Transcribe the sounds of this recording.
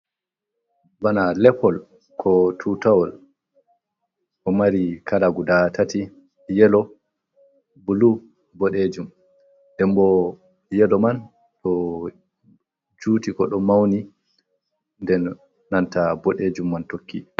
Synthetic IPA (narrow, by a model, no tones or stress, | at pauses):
banalɛpɔl | kʰɔtʰutawɔl | ʔɔmaɾikʰalaɡudatati | jɛlɔ | bulu | bɔɗed͡ʒum | dɛmbɔ | jɛlɔman | ɗɔ | d͡ʒuːtikɔɗɔmawni | ndɛnː | antabɔɗed͡ʒumːantokːi